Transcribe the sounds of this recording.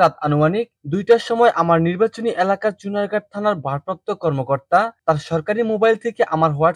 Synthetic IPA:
at̪anumanik̚d̪ujʈaʃɔmɔeʔamaɾniɾbat͡ɕoniʔelakaɾt͡ɕunaɾɡaʈ̚t̪ʰanaɾbʱaɾpok̚t̪okɔɾmokoɾt̪at̪aɾʃɔɾkaɾimobajlt̪ʰekeʔamaɾɦɔa

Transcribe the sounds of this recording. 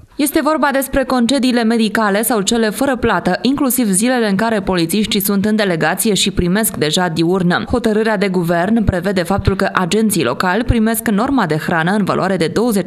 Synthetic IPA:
je̞st̪e̞vo̞rbad̪e̞spɾe̞ko̞nt͡ʃe̞d̪iːle̞me̞d̪ikale̞sawt͡ʃe̞le̞fəɾəplat̪əʔiŋklusivzile̞le̞ɨŋkaɾe̞po̞lit̪siʃt̪isunt̪ɨnd̪e̞le̞ɡat̪sije̞ʃipɾime̞skd̪e̞ʒad̪iurnəho̞t̪əɾɨɾead̪e̞ɡuve̞rnpɾe̞ve̞d̪e̞fap̚t̪ulkəʔad͡ʒe̞nt̪sijlo̞̰kalʲpɾime̞skno̞rmad̪e̞xɾanəɨnva̰lṵaɾe̞d̪e̞d̪o̞wəzet͡ʃ

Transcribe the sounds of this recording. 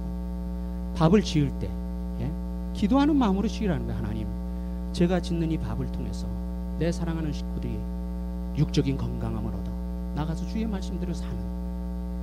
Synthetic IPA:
pabɯɭt͡ɕiɯɭt͈e̞̰ | je̞ | kidoɦanɯnmamuɾɯɕʰiɡiɾɦanɯndahana̰ɲim | t͡ɕe̞ɡat͡ɕinːɯɲipabɯɭtʰoŋe̞̰sʰʌ̰ | ne̞sʰaɾaŋɦanɯnɕʰi̥k̚p͈odɯɾi | juk̚t͡ɕ͈ʌɡinkʌŋɡaŋɦamɯɾʌ̰da | naɡasʰʌt͡ɕue̞maɭs͈ɯmdɯɾsʰanɯn

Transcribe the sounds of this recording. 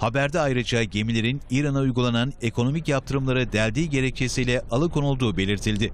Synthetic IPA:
habæɾd̪ɛajɾɯd͡ʒaɟe̞milʲe̞ɾiniːɾanaujɡulˠanane̞kʰo̞no̞micjap̚t̪ʰɯɾɯmlˠaɾɯd̪ælʲd̪iːɟe̞ɾɛc̚t͡ʃʰe̞sijlʲɛʔalˠɯkʰo̞nulˠd̪uːbe̞lʲiɾt̪ʰilʲd̪ɪ

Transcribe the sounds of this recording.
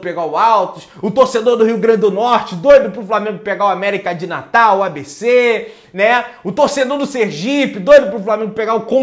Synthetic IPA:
peɡaʊawt̪ʊʃ | ʊt̪oɾsed̪oɾd̪ʊhiʊɡɾɐ̃d͡ʒɪd̪ʊnɔɾt͡ʃɪd̪ojd̪ʊpɾʊflamẽŋɡʊpeɡaʊamɛɾikɐd͡ʒɪna̰t̪awabese | nɛʊt̪oɾsed̪oɾd̪ʊseɾʒipɪd̪ojd̪ʊpɾʊflamẽŋɡʊpeɡaʊkõ

